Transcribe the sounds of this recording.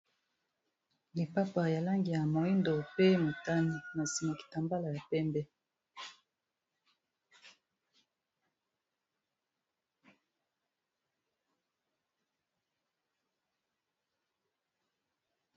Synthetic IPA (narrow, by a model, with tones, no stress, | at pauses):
li˨pa˦pa˨ja˨la˦ŋɡi˨ja˨mo˨i˦ndo˨pe˦mo˨ta˦ni˦na˨si˨ma˨ki̥˨ta˨mba˦la˨ja˨pɛ˦mbɛ˦